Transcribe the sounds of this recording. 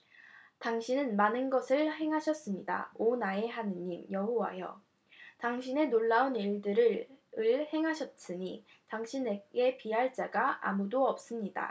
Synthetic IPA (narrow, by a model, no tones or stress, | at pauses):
taŋɕʰinɯnmanɯnɡʌsʰɯɭhe̞ŋɦaɕʰʌs͈ɯmɲida̰onaeɦanɯimjʌɦowa̰jʌ̰ | taŋɕʰine̞noɭːauniɭdɯɾɯɾɯɭhe̞ŋɦaɕʰʌt̚s͈ɯɲi | taŋɕʰineɡe̞piɦaɭt͡ɕ͈aɡaʔa̰mudoʌp̚s͈ɯmɲida̰